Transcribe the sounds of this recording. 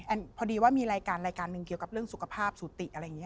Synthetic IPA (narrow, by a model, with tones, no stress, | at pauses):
ʔɛ˧˩npʰɔː˧diː˧waː˥˩miː˧ɾaː˧jkaː˧nɾaː˧jkaː˧nːɯ˨˧ŋki˨˩əwka˨˩p̚ɾɯ˥˩əŋsu˨˩kʰa˧pʰaː˥˩p̚suː˨˩˦t̪i˨˩ʔa˧ɾa˧jŋi˦˥˧